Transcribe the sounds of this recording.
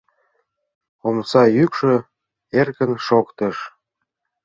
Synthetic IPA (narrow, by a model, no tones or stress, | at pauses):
omsɑjykʃø | erkə̆nʃokt̪əʃ